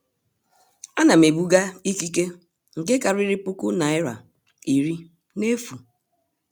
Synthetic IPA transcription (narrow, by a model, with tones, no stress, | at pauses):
a˦na˨m̩˨e˨bu˦ɡa˦i˦ki˦ke˦ | ŋ̩˨ke˦ka˨ɾi˦ɾi˦pu˦ku˦na˨˦ɪ˦ɾa̰˨ | i˨ɾi˦ | ne˦fu˨